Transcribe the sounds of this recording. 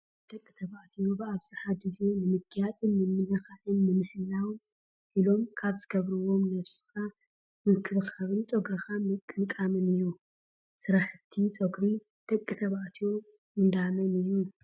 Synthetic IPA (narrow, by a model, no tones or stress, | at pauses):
d̪̥ɐkʼːit̪ʰɐβaʔt̪ʰijobɨaβzɨħad̪ɨzenɨmɨɡʰjat͡sʼɨnːɨmɨnɐxaʔɨnːɨmɨħɨlːaw | ʔilo̞mkʰaβzɨɡɐβɾɨwo̞mnɐβsɨ̥xa | mɨkʰɨɾɨxaβɨnt͡sʼɐɡɾixamɨkʼːɨnkʼamɨnɨjːu | sɨɾaħɨt̪ʰːit͡sʼɐɡɾi | d̪̥ɐkʼːɨt̪ʰɐβaʔt̪ʰijo̞ | ɨnd̪amɐnɨjːu